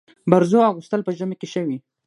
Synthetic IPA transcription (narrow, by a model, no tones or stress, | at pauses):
baɾzoaɣust̪əlpəʒəmekeʃəwi